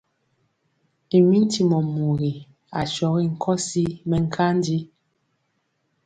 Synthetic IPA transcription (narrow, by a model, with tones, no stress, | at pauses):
i˨mi˦n̩˦ti˨mɔ˨mu˨ɣi˨ | a˨t͡ʃɔ˨ɣi˦ŋ̩˦˨kʰɔ˦si˦mɛ˨ŋ̩˦kʰa˦n˦di˦